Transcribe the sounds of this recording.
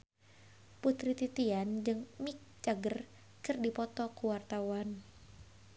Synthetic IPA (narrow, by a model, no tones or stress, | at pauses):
put̪ɾit̪it̪iand͡ʒɨŋmik̚t͡ʃaɡər | kɨrdipɔt̪ɔkuwart̪awan